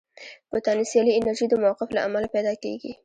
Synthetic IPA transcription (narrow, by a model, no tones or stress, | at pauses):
b̥ət̪ɑnisjɑliɪnaɾʒid̪əmawaqɪflaamalapɛjd̪ɑkḛɡḭ